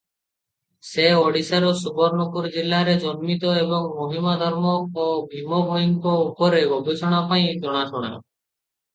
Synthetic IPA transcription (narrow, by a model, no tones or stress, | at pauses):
seoɖisaɾosubɔɾnokuɾd͡ʒilːaɾed͡ʒonmit̪ɔebɔŋmoɦimad̪ʱɔɾmɔobʱimobʱoiŋkoupɔɾeɡʱɔbet͡ʃɔɽ̃apaĩd͡ʒɔɽ̃atʰɔɽ̃a̰